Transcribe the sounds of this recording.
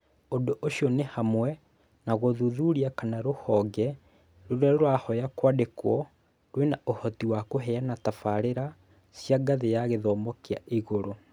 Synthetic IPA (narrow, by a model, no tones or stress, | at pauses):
ondoʔoʃjɔnehamwɛ | naɣoðuðuɾiakanaɾohɔɡɛ | ɾoɾɛɾwahɔjakwadekwɔ | ɾwenaohɔtiwakoɦɛanatafaɾeɾa | sjaɡaðejaɣeðɔːmbɔkeaʔiɣoɾo